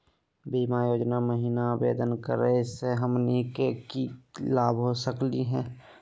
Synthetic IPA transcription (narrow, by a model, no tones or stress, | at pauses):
biːmajoːd͡ʒnaməɦiːnabḛːd̪ənkə̰ɾəseɦəmnikekilaːbɦosəkliɦɛ̃ː